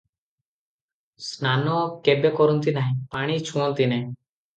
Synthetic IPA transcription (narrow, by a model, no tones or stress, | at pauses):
snanɔkebekɔɾɔnt̪inaɦĩpaɽ̃it͡ʃʰũɔnt̪inaɦĩ